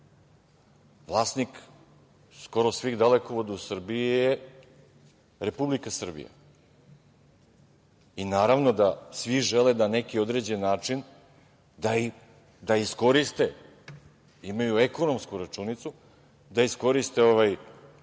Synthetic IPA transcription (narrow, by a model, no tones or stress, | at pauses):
ʋlˠaːsnik | sko̞ɾo̞sʋiɣd̪alekoʋod̪ausr̩biije | ɾe̞publikasr̩bḭja̰ | inaːɾaʋno̞d̪asʋiʒelenane̞kio̞d̪ɾe̞d͡ʑe̞nːaːt͡ʃin | d̪ai | d̪aisko̞ɾist̪e̞ | imajueko̞no̞mskuɾat͡ʂunit̪su | d̪aisko̞ɾist̪e̞o̞ʋaj